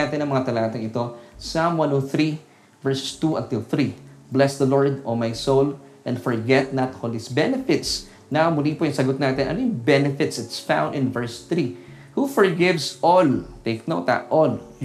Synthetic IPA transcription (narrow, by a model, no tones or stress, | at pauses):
aːt̪ɪnɐŋmɐŋat̪ɐlaːt̪ɐŋɪt̪osamwãnoθɾi | vɛɹsst̪uɐ̰̃nt̪ɪlˠθɾiblɛsd̪ɐloɹd̪omajsowl | ʔɛ̃nd̪fɔɹɡɛt̪̚nɐt̪holɪsbɛnɛfɪt̪s | nɐmʊliːpojʊŋsɐɡot̪̚naːt̪ɪnʔɐ̰nojʊŋbɛnɛfɪt̪sɪt̪sfã̰w̃nd̪ɪ̃nvɛɹsθɾi | hufɔɹɡɪvsʔolt̪eɪk̚noʊt̪ɐ̰ʔol